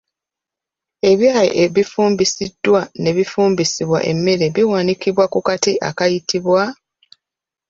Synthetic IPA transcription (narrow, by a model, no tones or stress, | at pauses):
e̞βjaːjḛʔeβifuːmbisid̥ːwane̞βifuːmbisiβwa̰ʔe̞̰mːe̞ɾe̞βiwaːnikiβwakukatiʔa̰kajitiβwa